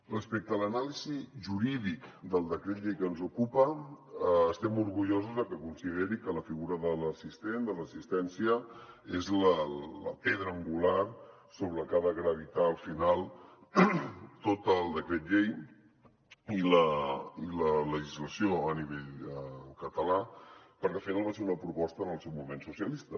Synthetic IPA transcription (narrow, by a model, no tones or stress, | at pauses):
rəspɛk̚t̪ələnaliziʒuɾiðikd̪əlˠd̪əkɾɛt̪ʎejkənzukupəː | st̪ɛmuɾɣuʎozuzəkəkunsiðeɾikələfiɣuɾəðələsist̪end̪ələsist̪ɛnsiə | ezlələ̰peðɾəːŋɡular | soβɾəkaðəɣɾəβ̞it̪aəlˠfinalˠ | t̪ot̪əlˠd̪əkɾɛt̪ʎej | iləilələʒizləsioəniβeʎkət̪əlapəɾkɛəlˠfinalˠβaseunəpɾupɔst̪ənəlˠsewmumensusiəlist̪ə